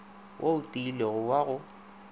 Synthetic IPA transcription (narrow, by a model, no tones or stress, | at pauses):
wʔoutʼiːleɣʊwaɣʊ